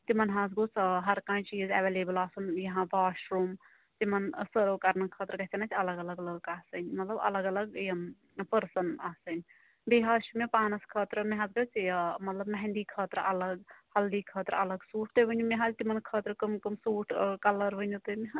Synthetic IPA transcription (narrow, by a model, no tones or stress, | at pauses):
t̪imənɦãd͡zɡot͡sʰɦɐɾkãːjt͡ʃiːzeʋeleːbəlaːsunjɐɦãbʱaːʃɾum | t̪imənsəɾokaɾnɐkʰət̪ɾəkɐɦt͡ʃɐnat͡ʃɐləɡɐləɡləkaːsənʲmɐt̪ləbɐ̰ləɡɐləɡjɐm | pəɾsənaːsən | b̪eɦaʃumepaːnɐskʰət̪ɾəmeɦãzɡot͡ʃmɐt̪ləbmɐɦɛ̃nd̪ikʰəːt̪ɾɐləɡhɐld̪ikʰət̪ɾɐləɡsuʈʰt̪əbənjumeɦãd͡ʒt̪imɐnkʰət̪ɾkəmkəmsuʈʰkɐləɾbənut̪əmeɦã